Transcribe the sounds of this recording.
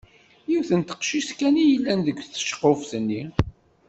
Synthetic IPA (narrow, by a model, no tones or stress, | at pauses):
jiwθənt̪ə̥qʃiskænijəlːænðəɡʷθə̥ʃə̥qːofθənːi